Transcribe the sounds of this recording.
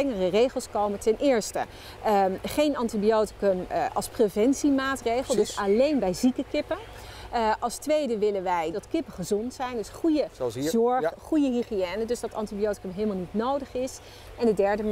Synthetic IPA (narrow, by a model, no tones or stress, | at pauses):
ɛŋərərejχəlˠskowməntɛnʔɪːɹstə̰ | χejnɑntibiowtɪ̥kɵmʔɑ̰lˠsprevɛnsimaːtrejχəlˠdøsalejnbɛjzikəkɪpən | ʔɑlˠstʋejdəʋɪlənʋɛjdɑtkɪpəχəzɔntsɛjndøsχujəzɔɹχujəɦiχiɛːnədøzdɑtɑ̰ntibiowtɪ̥kəmɦeːlmalˠnitnowdəχɪs | ɛndədɛɹdə